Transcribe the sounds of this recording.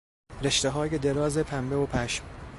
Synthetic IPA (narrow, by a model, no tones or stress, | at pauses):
ɾe̞ʃt̪eɦɒːjed̪eɾɒːzepʰæmbeopʰæʃm